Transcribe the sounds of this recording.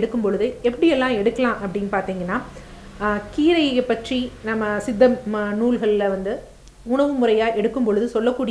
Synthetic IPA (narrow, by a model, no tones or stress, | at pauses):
ɽɯkːɯmpɔɭɯðɯɛpːɐɽɪjɛlːãːɛɽɯkːɐlãːʔɐpːɐɽɪnpaːɾt̪iːŋɡɐnːaː | kiːɾɐɪpːɐʈrinɐmːɐsɪd̪ːɐmnuːlɣɐɭɪlɐʋɐnd̪ɯ | ʊɳɐʋɯmʊɾɐjaːʔɛɽɯkːɯmpɔɻɯðɯsɔlːɐkːuːɽɪ